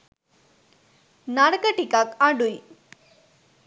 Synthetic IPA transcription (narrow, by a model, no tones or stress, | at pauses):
naɽkəʈikakaɖuj